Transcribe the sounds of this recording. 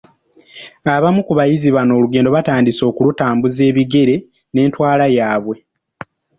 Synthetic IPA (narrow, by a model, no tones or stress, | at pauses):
aβamukuβajiziβano̞ːluɡe̞ːndo̞βataːndiso̞ːkulutaːmbuze̞ːβiɡe̞ɾe̞ | ne̞ːntwaːlajaːβwe̞